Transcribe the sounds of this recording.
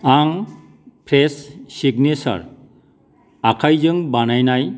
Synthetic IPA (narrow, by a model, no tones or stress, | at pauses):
aŋ | pʰɾesːiɡnesa̰ɾ | akʰajzɯŋbanajnaj